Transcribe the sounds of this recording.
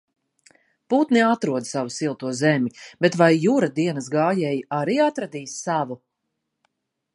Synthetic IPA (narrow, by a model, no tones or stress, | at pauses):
put̪niat̪ɾuɔd̪savusilˠt̪uɔzɛmʲibet̪vajːuɾad̪iɛnɐsɡaːjɛjaɾiːat̪ɾad̪iːssavu